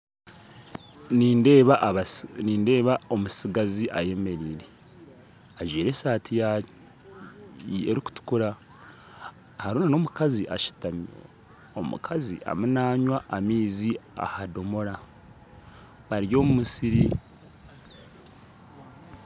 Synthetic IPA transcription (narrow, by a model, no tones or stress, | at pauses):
nindeβ | niːnde̞ːβaomusiɡaziʔaje̞me̞ɾiːɾe̞ | aʒwiːɾe̞saːtʰija | ḛɾiku̥tu̥kuɾa | haɾuːnano̞ːmukaziʔaʃi̥tamjo̰ | o̰mṵkʰaziʔa̰munaːɲwaʔːmiːzia̰hado̞mo̞ɾa | βaɾjo̞ːmumusiɾi